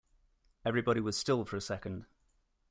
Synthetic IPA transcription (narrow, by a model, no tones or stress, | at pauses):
ɛvɹibɒɾiwɒz̥stɪlˠfəɹəsɛkə̃nd̥